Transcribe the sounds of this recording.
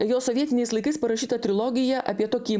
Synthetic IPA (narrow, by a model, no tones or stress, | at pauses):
joːsɔʋʲiɛt̪ʲɪnʲɛɪslˠɐɪkɐɪspɐɾɐʃʲiːt̪ɐt̪ʲɾʲɪlˠɔːɡʲɪjɛʔɐ̰pʲiɛt̪oːkʲiː